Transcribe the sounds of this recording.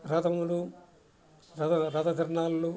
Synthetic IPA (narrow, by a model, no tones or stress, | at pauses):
ɾɐd̪ɐmulu | ɾɐd̪ɐɾɐd̪ɐd̪ʱɐɾɳaːllu